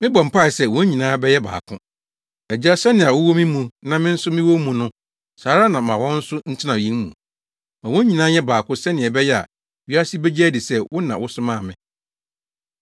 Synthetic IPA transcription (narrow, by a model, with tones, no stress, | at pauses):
mɪ̃˦bɔ̃˨m̩˨pʰa˦˨ɪ˨sɛ˦˨wɔ̃˦ɲĩ˨nãː˦bɛ˦jɛ˦ba̰ː˨kʰʊ̃˦ | ɛ˨d͡ʑi˦a˦sɛ˦nɪ̃˨a˨wʊ˦wɔ˦mɪ̃˦mũ˨nã˦mɪ̃˦n̩˦sʊ˦mɪ̃˦wo˦mũ˨nʊ̃˦ | saː˨˦ɾa˦nã˨mã˨wɔ̃˦n̩˦sʊ˦n̩˦tʰɪ˦nã˨ĩ˦ŋmṵ̃˨ | mã˨wɔ̃˦ɲĩ˨nãː˦jɛ˦baː˨kʰʊ̃˦sɛ˦nɪ̃˨ɛ˨bɛ˦jɛ˦a̰˨ | ɥi˦a˦si˦bɛ˦d͡ʑɛ˦dɪ˨sɛ˦wʊ˦nã˨wʊ˦sʊ˦mãː˦˨mɪ̃˨